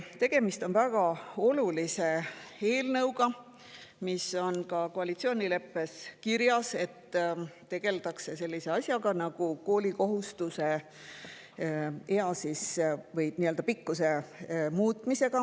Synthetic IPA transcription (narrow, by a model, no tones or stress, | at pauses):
t̪e̞ɡ̥e̞mist̪o̞nvæɡ̥ɑo̞lulise̞e̞ːlnɤwɡɑ | miso̞nkɑko̞ɑlit̪sio̞ːnʲile̞pːe̞skiɾjɑse̞t̪ːt̪e̞ɡ̥e̞lt̪ɑkse̞se̞lʲːise̞ɑsʲjɑɡɑnɑɡ̥uko̞ːlʲiko̞ɦust̪use̞ | eɑsisvɤjniːø̞ld̪̥ɑpikːuse̞muːt̪mise̞ɡ̥ɑ